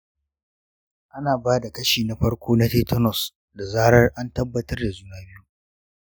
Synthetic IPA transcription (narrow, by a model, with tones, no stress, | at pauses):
ʔa˦naː˨baː˦da˨kɐ˦ʃiː˨na˦ɸɐ˦rkʷʰoː˦na˦teː˦tɔ˦nɔ˨s | da˨zaː˦ɽɐ˦rʔa˦ntɐ˦bːɐ˦tɐ˦rda˨zuː˦naː˦bɪ˦ju˦